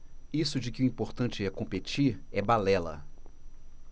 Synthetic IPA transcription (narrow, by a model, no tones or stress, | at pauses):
isʊd͡ʒɪkɪʊĩpoɾt̪ɐ̃t͡ʃɪɛɾkõpet͡ʃiɾɛbalɛlɐ̰